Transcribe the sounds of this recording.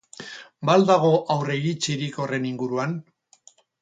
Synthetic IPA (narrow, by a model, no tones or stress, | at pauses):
bald̪aɣ̞o̞ʔawre̞iɾit͡ʃiɾiko̞re̞niŋɡuɾuan